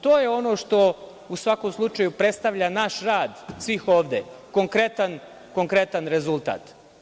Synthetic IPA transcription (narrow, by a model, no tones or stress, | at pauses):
t̪oːjeo̞no̞ːʂt̪o̞ | usʋako̞mslˠut͡ʃajupɾet̪st̪aʋʎanaʃɾaːd̪sʋixo̞ːʋd̪eko̞ŋkɾe̞t̪an | ko̞ŋkɾe̞t̪anɾe̞zulˠt̪a̰ːt̪